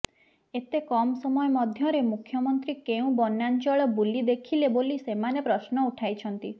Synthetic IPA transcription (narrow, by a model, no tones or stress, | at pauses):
et̪ekɔmsɔmɔjɔmɔd̪ʱjɔɾemukʰːjɔmɔnt̪ɾikeũbɔnjant͡ʃɔɭɔbulid̪ekʰilebolisemanepɾɔsnɔuʈʰajt͡ʃʰɔnt̪i